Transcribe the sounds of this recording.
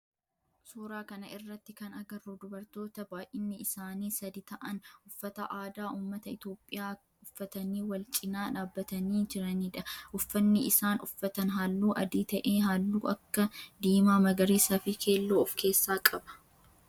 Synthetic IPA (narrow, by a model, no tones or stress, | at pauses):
suːɾaːkɐnɐʔɪrːɐt̪ːɪkɐnɐɡɐrːoːd̪ʊbɐɾt̪o̞ːt̪ɐbaːjʔɪnːɪɪsaːniːsɐd̪ɪt̪ɐʔɐnʊfːɐt̪ɐʔaːd̪aːʔuːmːɐt̪ɐɪt̪jo̞ːpʼːɪjaː | ʊfːɐt̪ɐniːwɐlt͡ʃʼɪnaːᶑaːbːɐt̪ɐniːd͡ʒɪɾɐniːᶑɐʔʊfːɐnːɪɪsaːnʊfːɐt̪ɐnɦaːlːuːʔɐd̪iːt̪ɐʔeːɦaːlːuːʔɐkːɐd̪iːmaːmɐɡɐɾiːsɐfɪkʰe̞ːlːoːfke̞ːsːaːkʼɐbɐ̥